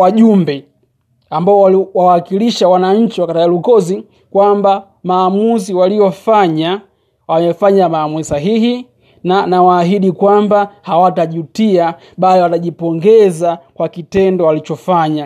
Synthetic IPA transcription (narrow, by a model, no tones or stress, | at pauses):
waʄumbɛ | ambaɔwwawakiliʃawanaɲ̩t͡ʃiwakatajalukɔzi | kwamba | maːmuziwalijɔfaɲa | wamɛfaɲamaːmuzisaɦihi | nanawaːɦiɗikwambahawataʄutia | ɓaliwataʄipɔŋɡɛzakwakitɛndɔwalit͡ʃɔfaɲa